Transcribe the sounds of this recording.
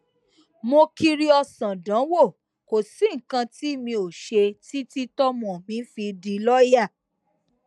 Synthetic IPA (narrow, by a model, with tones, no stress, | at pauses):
mo˧ki˧ɾi˦ɔ˧sã˨dã˨˦wo˦˨ | ko˨si˨˦ŋ̩˨kã˧ti˦˨mĩ˧o˨ʃe˧ti˦ti˦tɔ˦mɔ̃˨mĩ˨˦fi˧di˧lɔ˦ja˦˨